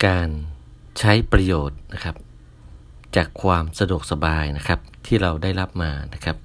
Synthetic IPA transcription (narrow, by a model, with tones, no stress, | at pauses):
kaː˧n | t͡ɕʰa˦˥jpɾa˧joː˨˩t̪̚na˦˥kʰa˦˥p̚ | t͡ɕaː˨˩kʰːwaː˧msa˧du˨˩ək̚sa˧baː˧jna˦˥kʰa˦˥p̚t̪ʰiː˥˩ɾa˧wdaː˥˩jla˦˥p̚maː˧na˦˥kʰa˦˥p̚